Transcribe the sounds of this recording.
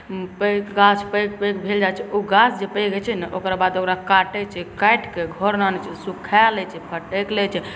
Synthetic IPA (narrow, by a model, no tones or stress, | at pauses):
pəkɡasʰpək̚pəkbʱeld͡ʒat͡ʃʰɛoɡasʰd͡ʒepəjɡɛt͡ʃʰɛnɛʔokɾabad̪okɾakaʈɛt͡ʃʰɛkajʈkeɡʱɔɾnanɛt͡ʃʰɛsukʰalɛt͡ʃʰɛpʰəʈeklɛt͡ʃʰɛ